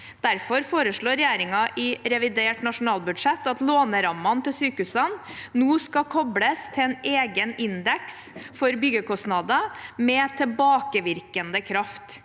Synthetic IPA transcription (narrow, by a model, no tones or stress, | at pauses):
d̪̥æɾfɔɾfoːɾəʂɭoːɾɛjeːɾɪŋɑʔɪɾɛʋɪd̪eːʈnɑʂʊnɑːlbʉd̪ʂɛt̪ːɑt̪loːnəɾɑmːɑnt̪ʰɪlsyːkəʉsənnuːskɑkʰɔbləst̪ʰɛɛːneːɡənɪnd̪ɛksfɔɾbʏɡəkʰɔsnɑd̪əmɛt̪ʰɛlbɑːkəʋɪɾkənd̪əkʰɾɑft̪